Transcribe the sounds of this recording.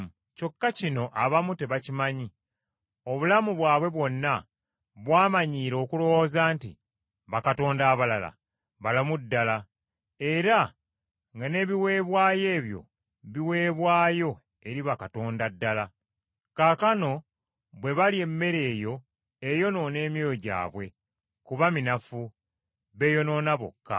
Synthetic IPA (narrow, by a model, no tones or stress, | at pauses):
co̞kːacino̞ʔaβamute̞βacimaɲi | o̞βulamuβwaːβwe̞βwo̞nːa | βwaːmaɲiːɾo̞ːkulo̞wozaːnti | βakato̞ːndaːβalala̰ | βalomudːala | e̞ɾa | ŋɡane̞βiwe̞ːβwaːje̞ːβjo̞̰ | βiwe̞ːβwaːjo̞ | e̞ɾiβakato̞ːndadːala | kaːkano̞ | βwe̞βalie̞mːe̞ɾe̞ːjo̞ | e̞jo̞no̞ne̞ːmjo̞ːjoɟa̰ːβwe̞ | kuβaminafu | βe̞jo̞no̞ːnaβo̰kːa̰